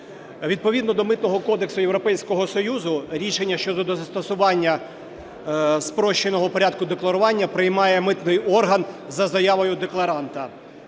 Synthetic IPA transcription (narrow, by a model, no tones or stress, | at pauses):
ʋʲid̪̚pɔʋʲid̪nɔd̪ɔmɪt̪nɔɦɔkɔd̪eksʊjewɾɔpɛjsʲkɔɦɔsɔjuzʊɾʲiʃenʲːɐʃt͡ʃɔd̪ɔd̪ɔzɐst̪ɐsʊʋɑnʲːɐ | spɾɔʃt͡ʃenɔɦɔpɔɾʲad̪̚kʊd̪eklˠɐɾʊʋɑnʲːɐpɾɪjmɑjɛmɪt̪nɪjɔrɦɐnzɐzɐjaʋɔjʊd̪eklˠɐɾɑnt̪ɐ